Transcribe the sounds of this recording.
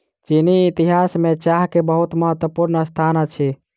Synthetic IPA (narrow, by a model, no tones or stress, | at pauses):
t͡ʃiniːt̪iɦasmet͡ʃaɦkebəɦut̪məɦət̪wəpuɾnəst̪ʰanət͡ʃʰi